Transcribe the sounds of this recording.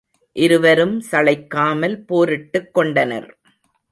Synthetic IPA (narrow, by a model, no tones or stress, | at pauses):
ʔɪɾɯʋɐɾɯmsɐɭɐɪkːaːmɐlpoːɾɪʈːɯkːɔɳɖɐnɐ̰ɾ